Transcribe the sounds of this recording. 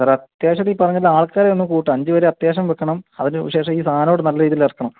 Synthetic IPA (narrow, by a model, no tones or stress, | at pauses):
aːrɐt̪jaːɕɐt̪iːpːɐrɐɲːɐlːaːɭkaːɾeonːumkuːʈːɨɐɲd͡ʑɨʋɐɾeɐt̪jaːɕɐmʋekːɐɳɐmɐðinɨɕe̞ːʂɐmiːsʰaːno̞ːɽɨnɐlːɐɾiːðilɐrkːɐɳɐm